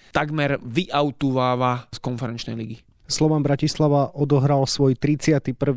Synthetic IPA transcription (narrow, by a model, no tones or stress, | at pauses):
t̪aɡmɛɾʋiʔaʊt̪uʋaːʋaskɔnfɛɾɛnt͡ʃnɛ̰jliɡi | slɔʋambɾacislaʋaʔɔd̪ɔɦɾalsʋɔjt̪ɾit͡sɪat̪ipr̩ʋ